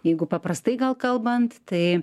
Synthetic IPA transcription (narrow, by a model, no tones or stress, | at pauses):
jɛɪɡʊpɐpɾɐst̪ɐɪɡɐlˠkɐlˠbɐnt̪t̪ɐɪ